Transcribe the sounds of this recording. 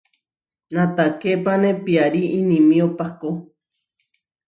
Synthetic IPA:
nãt̪akepanẽpiaɾiĩnĩmĩopako

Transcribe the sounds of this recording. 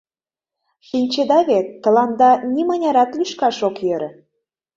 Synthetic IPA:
ʃinʲt͡ɕed̪ɑβet̪ːə̆lɑnd̪ɑnimə̆nʲɑɾɑt̪lyʃkɑʃokjøɾə̆

